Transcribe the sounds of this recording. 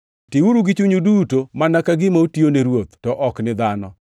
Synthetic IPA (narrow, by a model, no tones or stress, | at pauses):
tɪuɾuɡɪt͡ʃuɲudutomanakaɡɪmautioneɾwot̪tɔʔɔknɪd̪anɔ